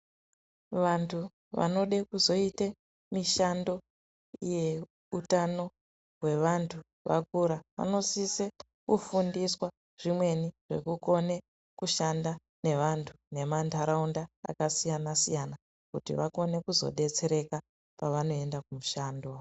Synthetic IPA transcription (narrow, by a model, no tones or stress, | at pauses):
ʋantʰu | ʋa̰no̞ɗekuzo̞ite | miʃando̞ | ije̞ | utano̞ | ɦwe̞ʋantʰu | ʋʔa̰k̚uɾaʋa̰no̞sise | kufundiswa | ʐ̥imwe̞niʐ̥e̞̰kuko̞ne̞ | kuʃanda | ne̞ʋantʰu̥ne̞mantʰaɾaunda̰ːkasijanasijana | kutḭʋako̞ne̞kuzo̞̰ɗe̞t͡se̞ɾe̞ka | paʋano̞e̞ndakumuʃaːndo